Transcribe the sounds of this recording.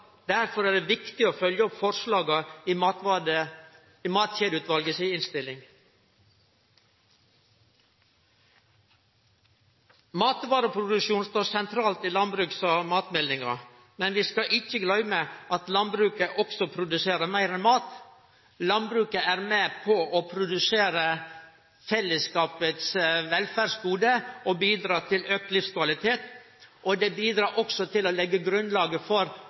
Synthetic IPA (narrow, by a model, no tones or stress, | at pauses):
d̪æɾfɔɾæːɖ̪eːʋɪkt̪ɪoːfœljəɔpfɔɾslɑːɡɑimɑt̪ɑə | mɑːt̪çeːd̪ʉːt̪ʋɑlɡəsiɪnst̪ɪlːɪŋ | mɑːt̪ʋɑːɾəpʰɾʊd̪ʉʃuːnst̪oːɾsɛnt̪ʰɾɑːlt̪iːlɑnbɾʉksɑmɑːt̪mɛlːɪŋɑ̰ | mɛnʋiːskɑʔɪt͡ʃːəɡlœʏmeʔɑt̪lɑnbɾʉːkəʔɔksɔpʰɾʊd̪ʉseːɾəɾmæɪɾɛnmɑːt̪ | lɑnbɾʉːkəæɾmɛpʰɔʔɔpʰɾʊd̪ʉseːɾə | fɛlːəskɑːpət̪sʋɛlfæːɖsɡuːd̪əɔbiːd̪ɾɑːt̪ʰɪløːk̚t̪lɪfskʋɑlɪt̪ʰeːt̪ | ʔɔd̪ɛbiːd̪ɾɑːɾʔɔksɔt̪ʰɪlɔlɛɡːəɡɾʉnlɑːɡəfɔɾ